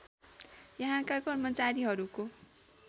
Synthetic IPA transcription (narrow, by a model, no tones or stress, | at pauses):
jʌɦãkakʌrmʌt͡saɾiɦʌɾuko